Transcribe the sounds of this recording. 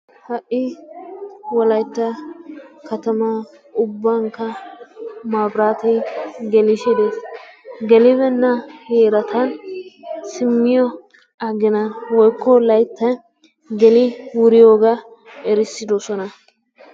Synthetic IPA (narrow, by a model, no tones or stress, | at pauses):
hɐʔːɪ | wɔlɐjt̪ːɐ | kɐt̪ɐmɐ | ʊbːɐŋkːɐ | maːbɾaːt̪ɛjɡɛlɪʃɛd̪eːsɡɛlɪbɛnːɐheːɾɐt̪ʰɐn | sɪmːɪjɔ | ɐɡɪnɐnwɔjkːɔlɐjt̪ːɐ | ɡɛlɪwʊɾɪjoːɡa | ɛɾɪsːɪd̪ɔsɔnɐ